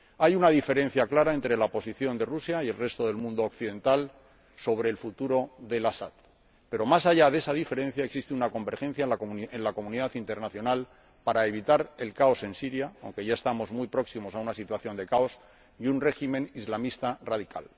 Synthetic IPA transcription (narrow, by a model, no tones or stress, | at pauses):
ajunaðife̞ɾẽ̞n̟θjaklaɾae̞nt̪ɾe̞laopo̞siθjo̞nd̪e̞rusjaielre̞st̪o̞ðe̞lmũnd̪ookθiðẽ̞nt̪al | so̞β̞ɾe̞ːlfut̪uɾo̞ðe̞lasat̪ | pe̞ɾo̞masaʝaðe̞sað̞ife̞ɾe̞n̟θjaeksist̪eunako̞mbe̞ɾxe̞n̟θjaenlako̞mũniðaθint̪e̞ɾnaθjo̞nal | paɾae̞β̞it̪aɾe̞lkao̞se̞nsiɾjaawŋke̞ʝae̞st̪amo̞zmujpɾo̞ksimo̞saunasit̪waθjo̞nd̪e̞kao̞s | iunre̞ximẽnizlamist̪araðika̰l